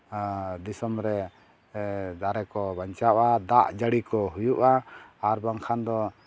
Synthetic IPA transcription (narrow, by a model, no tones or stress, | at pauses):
d̪isɔmɾɛ | d̪aɾɛkɔbaɲt͡ʃawʔad̪aʔd͡ʒaɽikɔɦujuʔaːɾbaŋkʰand̪ɔ